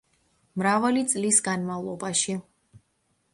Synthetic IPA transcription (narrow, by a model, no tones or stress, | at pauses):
mɾavalit̪sʼlisɡanmavlˠɔbaʃi